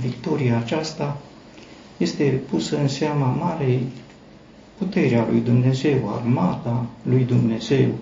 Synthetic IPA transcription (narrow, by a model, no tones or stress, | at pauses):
vikt̪o̞ɾiaːt͡ʃast̪a | je̞st̪e̞pusəɨnseamamaɾej | put̪e̞ɾealujd̪umne̞ze̞wa̰rmat̪alujd̪umne̞ze̞w